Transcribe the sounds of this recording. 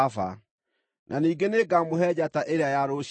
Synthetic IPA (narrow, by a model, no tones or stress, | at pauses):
fa̰ | nʔaniːɡeneɡamoɦɛd͡ʑataʔeɾeajaɾoɕ